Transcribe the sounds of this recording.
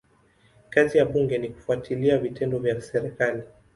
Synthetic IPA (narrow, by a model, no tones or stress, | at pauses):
kazijaɓuŋɡɛniku̥fuatʰiliavitɛndɔvjasɛɾɛkali